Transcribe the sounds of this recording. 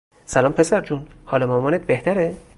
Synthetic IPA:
sælɒːmpʰesæɾd͡ʒunhɒːlemɒːmɒːnet̪̚beht̪ʰæɾe

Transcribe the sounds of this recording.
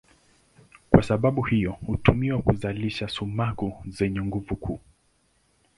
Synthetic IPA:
kwasaɓaɓuhijɔhutumiwakuzaliʃasumakuzɛɲɛŋɡuvukʰuː

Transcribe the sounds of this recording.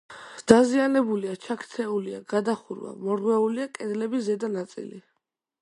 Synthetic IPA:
d̪̥azianɛbuliat͡ʃʰakʰt̪sʰɛuliaɡad̪aχuɾwa̰mɔɾʁwɛuliakʼɛd̪lɛbizɛd̪anat̪sʼḭli

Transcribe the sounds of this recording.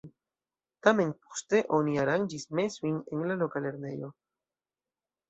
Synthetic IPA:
t̪ame̞npo̥ste̞ʔo̞niaɾand͡ʒismesujnenlalokale̞ɾne̞jo̞

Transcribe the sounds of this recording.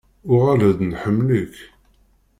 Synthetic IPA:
ʊʁæləðnħəmːlək

